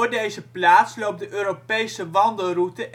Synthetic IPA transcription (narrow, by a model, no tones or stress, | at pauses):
ɹdejzəplaːtslowp̚dəʔøːropejsəʋɑndəlˠrutəʔ